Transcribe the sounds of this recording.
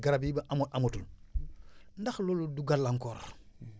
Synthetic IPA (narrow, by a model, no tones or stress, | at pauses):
ɡaɾabibaʔamoʔamotul | ndaxloloduɡalːaŋkoːɾa̰